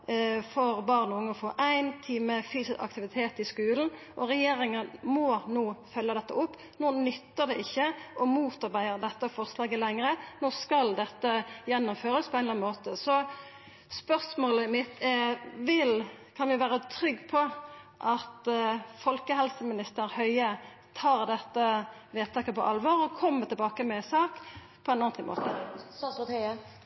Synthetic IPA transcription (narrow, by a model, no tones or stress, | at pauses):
fɔʁbɑʁnʊŋːɔfo̰ːʔæɪnt̪ʰiːməfyːsɪsɑ̰k̚t̪ɪʋɪt̪ʰeːt̪ɪskʉːln̩ | ʔɔɾɛjeːɾɪŋənmɔnoːfœlːəd̪ɛt̪ːəʊpː | noːnʏt̪ːəʁd̪ɛʔɪçːəʔɔmuːt̪ɑʁbæɪəʁd̪ɛt̪ːəɔfɔʁslɑːɡəlɛŋʁənoːskɑld̪ɛt̪ːəjɛnːʊmføːɾəspʰɔɛɪlɑnmoːt̪əsɔ | spœʁsmoːləɪmɪt̪ʰːɛʋɪlkʰɑnʋɪʋæːɾət̪ʰɾʏɡːpʰɔ | ʔɑt̪fɔlkəɦɛlsəmɪnɪst̪əɾhœʏə | t̪ʰɑːʁd̪ɛt̪ːə | ʋeːt̪ʰɑːkəpɔ̰ʔɑlʋɔʁɔkʰɔmːət̪ɪlbɑːkəmɛsɑːk | pʰɔɛnɑːnt̪ɪmo̰ːt̪ə